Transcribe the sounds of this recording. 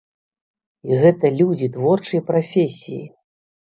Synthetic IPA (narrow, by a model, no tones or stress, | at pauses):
iɣɛt̪ɐlʲud͡zʲit̪vɔrt͡ʂɨjpɾafʲesʲiji